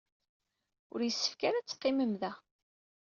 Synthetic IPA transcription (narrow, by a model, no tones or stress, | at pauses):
ʊ̰ɾjəsːə̥fkaɾæt͡sːə̥qːɪməmðæ